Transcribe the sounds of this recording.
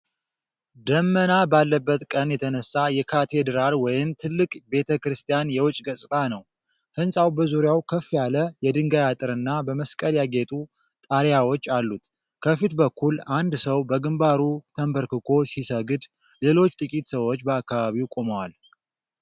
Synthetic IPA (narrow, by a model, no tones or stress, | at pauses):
d̪əmːənabalːəbːət̪kʼənjɛt̪ʰənəsːajɛkʰat̪ʰe̞d̪ɾalwɔjɪmt̪ʰɨlːɨkʼbe̞t̪ʰəkɾɨst̪ʰijanjɛwʊt͡ʃʼːɡəsʼt̪ʼanəw | hɨnsʼawbəzuɾjawkʰəfːjaləjɛd̪ɨŋɡajat̪ʼɨɾɨnːabəməskʼəljaɡe̞t̪ʼu | t̪ʼaɾjawo̞t͡ʃːalːut̪ | kʰəfit̪bəkːuland̪səwbəɡɨmbaɾut̪ʰəmbəɾkɨkʰo̞sisəɡɨd̪ | le̞lo̞t͡ʃːt̪ʼɨkʼit̪səwo̞t͡ʃːbəakːaβaβiwkʼo̞məwal